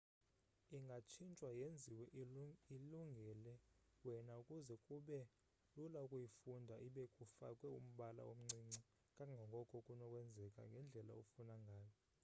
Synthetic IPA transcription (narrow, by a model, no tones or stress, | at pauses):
iŋɡʱat͡ʃʰint͡ʃʼwajend͡zʱiwɛʔiluŋɡʱɛlɛ | wɛnaukʼuzɛkʼuɓɛ | lulaukʼujifundʱaʔiɓɛkʼufakʼwɛum̩ɓala̰wo̰m̩ŋ͡ǀiŋ͡ǀi | kʼaŋɡʱaŋɡʱɔkʼɔkʼunɔkʼwɛnd͡zʱɛkʼa̰ŋɡʱɛnd͡ɮʱɛla̰ufunaŋɡʱaːjɔ